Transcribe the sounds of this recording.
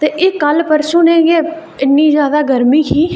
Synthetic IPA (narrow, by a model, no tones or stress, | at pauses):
t̪eːʔɪkːəlpəɾʃũːnẽːjeː | ɪnːĩːzjaːd̪aːɡəɾmiːkiː